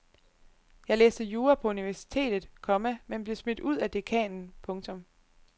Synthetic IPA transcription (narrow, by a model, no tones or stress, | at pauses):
jɑ̈ɪlḛːsd̥əjuːɐpʰɒ̽uniʋæɐsi̥t͡sʰe̝̰ːd̥ð̩ˠkʰɒ̽məmenb̥le̝smed̥uð̞̰ˠæd̥e̝kʰɛ̰ːnn̩pʰɔ̽ŋt͡sʰɔ̽m